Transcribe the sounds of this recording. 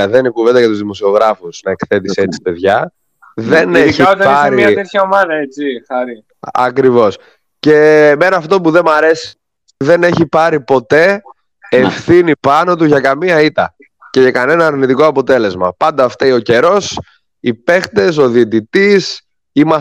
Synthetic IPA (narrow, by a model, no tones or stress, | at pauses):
ɐðenikuve̞nd̪ɐʝɐt̪uzðimo̞sio̞ɣɾɐfusnɐe̞kθe̞t̪iset͡si̥pe̞ðʝɐ | ðe̞neçiot̪ɐɐɾimɐet̪çɐomɐnɐet͡sixɐɾi | ɐ̰kɾivo̞s | ce̞menɐːft̪o̞puðe̞mɐɾe̞si̥ | ðe̞ne̞çipɐɾipo̞t̪e̞ː | fθinipɐno̞t̪uʝɐkɐmiɐit̪ɐ̰ | ce̞ʝɐkɐne̞nɐːɾnit̪iko̞ɐpo̞t̪e̞le̞zmɐpɐnd̪ɐːft̪ɐio̞ce̞ɾo̞s | ipe̞xt̪e̞s̬o̞ðiːt̪̬it̪is | imɐ